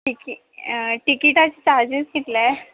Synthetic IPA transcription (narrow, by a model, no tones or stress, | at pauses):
ʈiki | ʈikiʈat͡ɕit͡ɕaɾd͡ʑisɡit̪lɛ